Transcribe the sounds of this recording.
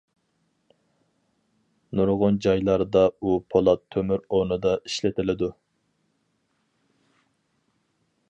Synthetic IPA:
nuɾʁʊnd͡ʒɑjlˠɑɾd̪ɑupʰolˠɑt̪ʰːømyɾonɨd̪ɑi̥ʃlɪt̪ʰɪlɪd̪u

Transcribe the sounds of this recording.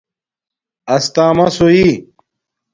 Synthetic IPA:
ɐst̪aːmɐsoi

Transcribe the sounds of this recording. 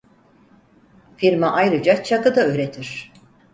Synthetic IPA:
fiɾmaʔajɾɯd͡ʒat͡ʃʰakɯd̪aøɾet̪ʰiɾ̥

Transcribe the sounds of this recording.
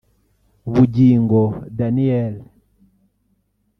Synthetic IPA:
βuɟiŋɡɔdaniɛl

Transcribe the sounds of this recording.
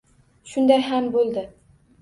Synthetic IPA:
ʃʊnd̪ajɦambolˠd̪ɪ

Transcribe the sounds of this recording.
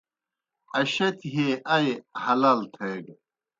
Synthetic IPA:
ɐɕɐt̪ɦeːʔɐjhɐlaːlt̪ʰeɡ

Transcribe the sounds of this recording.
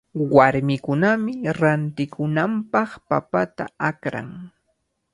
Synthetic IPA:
waɾmɪkʊnamɪɾant̪ɪkʰʊnampɑχpa̰pat̪a̰akɾa̰ŋ

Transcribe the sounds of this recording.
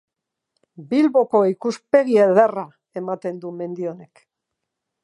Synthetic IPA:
bilβo̞ko̞ikuspe̞ɣieðera | e̞mat̪e̞nd̪ume̞nd̪io̞ne̞k

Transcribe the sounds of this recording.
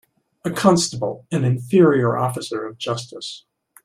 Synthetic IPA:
ɨkʰɑ̃nstəbl̩ˠɨ̃nɨ̃ɱfɪɹiə˞ʔɔfɨsə˞ʌvd͡ʒʌstəs

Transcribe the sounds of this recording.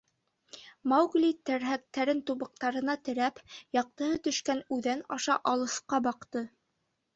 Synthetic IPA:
mɑwɡlʲit̪æɾɦæk̚t̪æɾɘnt̪uβɤ̆q̚t̪ɑɾɤ̆nɑt̪ɘ̆ɾæpjɑq̚t̪ɤ̆hɤt̪ɵ̆ʃkænʉðænɑʃɑʔɑlˠɤ̆sqɑbɑqt̪ɤ

